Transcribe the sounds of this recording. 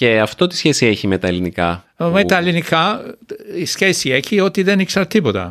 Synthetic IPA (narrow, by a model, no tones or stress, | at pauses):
eɐft̪o̞t̪i̥sçe̞sieçimet̪ɐelinikɐ | met̪ɐelinikɐ | isçesieçio̞t̪iðe̞niksɐɾt̪ipo̞t̪ɐ̰